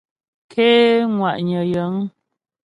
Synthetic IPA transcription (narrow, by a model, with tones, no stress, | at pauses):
kʰeː˦ŋwa˨ʔɲə˨jə˨˦ŋ